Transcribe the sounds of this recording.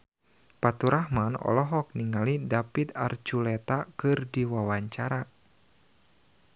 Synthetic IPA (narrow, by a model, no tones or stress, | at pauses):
pat̪uɾahmanɔ̰lɔɦɔk̚niŋalidapit̪a̰rd͡ʒulɛt̪akɨrdiwawaɲt͡ʃaɾa